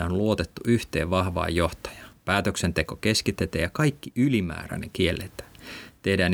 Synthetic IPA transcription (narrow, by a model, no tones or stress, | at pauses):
æonlluot̪et̪ːuʔyht̪ḛːʋʋɑhʋɑ̰ːjo̞ht̪ɑ̥jɑ̥pæːt̪øksent̪ekokeskit̪ːet̪æːjɑkɑikːiʔylimæ̰ːɾæ̰nḛŋk̟ielːet̪æ̥ːt̪ehdæːn